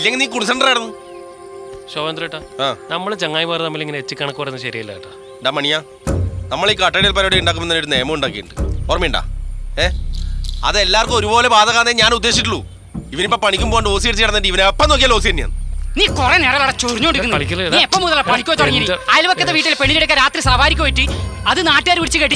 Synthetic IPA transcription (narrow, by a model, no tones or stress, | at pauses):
ilːeŋɡiniːkuɳsɐɳɖɐrajɽɐnːu | ɕoːʋɐnd̪rɐjʈːaaːnɐmːɐɭt͡ɕeŋːaːjʋaːɾnɐmːileŋːɐnet͡ɕːikʲːaːɳɐkːupːɐɾɐnːɨɕɐɾijɐilːa̰ːjʈːa̰ | ɳɖamɐɳija | nɐmːɐɭiːkɐʈːɐɾijɐlpɐːɾoːɽeuɳɖaːk̬ːumenːaːoɾune̞ːmɐmuɳɖaːkːieːɳɖɨoːrɐmeɳɖa̰ːeː | ɐ̰ðelːaːrkumo̞ɾubo̞ːle̞baːd̪ʱɐɣaːneːɲaːnud̪ːeːɕ̬iʈːuɭːu | iʋɐnipːoːpɐɳikʲːumboːjɳɖɨoːsijɐɽit͡ɕːikɐɽɐnɐɖɨiʋɐnepːɐnoːk̬ːialoːsijɐɾnija̰ːnɨniːkureneːrɐjlɐɽɐt͡ɕːuriɲːoːɳɖikːunːikʲːɐiːepːoːmuðɐlɭːɐpɐɳikʲːuojt̪oɽɐŋːiniajlʋɐkɐːeʋiːʈːilpeɳːiliɽɐkːɐɾaːt̪risaːʋaːɾikʲːɐmɐʈːiɐðɨnaːʈːɨaːɾʋiɽit͡ɕːɨkeʈːi